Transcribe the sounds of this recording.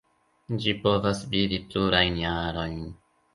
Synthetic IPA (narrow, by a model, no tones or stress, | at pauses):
d͡ʒipo̞vasvidipluɾajnjaɾo̞jn